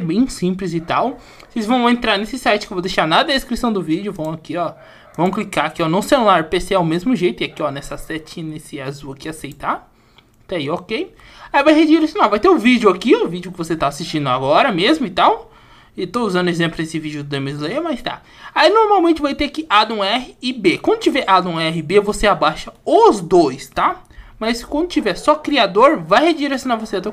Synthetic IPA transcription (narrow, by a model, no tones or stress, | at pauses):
bẽj̃sĩplɪzɪt̪aw | sejzvɐ̃w̃ẽnt̪ɾaɾnesɪsajt͡ʃɪkewvowd̪ejʃaɾnad̪ɐd̪ɐeskɾisɐ̃w̃d̪ʊvid͡ʒʊvɐ̃w̃akiɔ | vɐ̃w̃klikaakiɔnõsẽlulaɾjʊpeseaʊmezmʊʒejt̪ʊiakiɔnɛsɐsɛt͡ʃĩnesɪazuakɪasejt̪a | t̪aiɔkej | aivajhed͡ʒiiɾesõnawvajt̪eʊvid͡ʒʊakiɔvid͡ʒʊkɪvoset̪aːsist͡ʃĩnd̪ʊaɡɔɾɐmezmʊit̪aw | et̪ouzɐ̃ndʊezẽplʊesɪvid͡ʒʊd̪d̪ẽmizzimɐst̪a̰ | ainoɾmawmẽt͡ʃɪvajt̪eakiʔad̪ũɛɦɪːbekwɐ̃nd̪ʊt͡ʃivɛɾʔad̪ũɛɦɪbevoseabaʃɐʊzd̪ojst̪amɐskwɐ̃nd̪ʊt͡ʃivɛɾsɔkɾiad̪oɾvajhed͡ʒiɾes̬jõnavosead̪o